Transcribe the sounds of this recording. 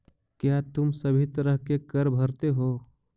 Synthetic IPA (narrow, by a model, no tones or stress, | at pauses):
kjat̪ʊmsɐbʱit̪ɐɾəɦkekɐɾbʱɐɾt̪eɦoː